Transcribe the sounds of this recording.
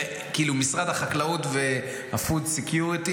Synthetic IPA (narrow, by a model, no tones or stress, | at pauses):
kiiːlumisʁad̪haχaklaut̪ve̞ | hafud̪sekjuʁit̪i